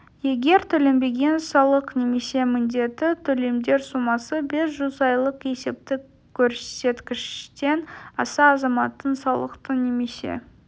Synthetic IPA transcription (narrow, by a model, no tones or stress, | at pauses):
je̞ɡʲe̞ɾt̪ʰɵle̞mbe̞ɡʲe̞nsɑlˠəqne̞me̞se̞mɪnd̪e̞t̪ɪt̪ʰɵle̞md̪e̞ɾsumɑsəbe̞sʒʊzɑjlˠəqje̞se̞p̚t̪ɪ | kʲʰːɵɾse̞t̪kʲɪʃt̪e̞nɑsɑːzɑmɑt̪ːənsɑlˠəqt̪əne̞me̞sḛ